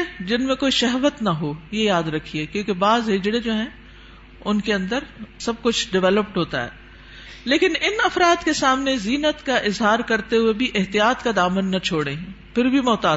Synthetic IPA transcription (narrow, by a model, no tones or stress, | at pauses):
d͡ʒɪnmẽkoːiʃɛɦʋət̪nɐɦoːjejaːd̪ɾɐkʰːieːkjõːkebaːzɦɪd͡ʒɽed͡ʒoːɦɛ̃ | ʊnkeɐ̃nd̪əɾsɐb̚kʊt͡ʃʰɖɪʋɛːləp̚ʈɦoːt̪a̰ɦɛ̰ː | leːkɪnɪnɐfɾaːd̪kesaːmneziːnət̪kaʔɪzɦaːɾkɐɾt̪eɦʊebʱiʔɪɦt̪ijaːt̪kad̪aːmənːɐt͡ʃʰoːɽẽpʰɪɾbʱimɔːt̪aː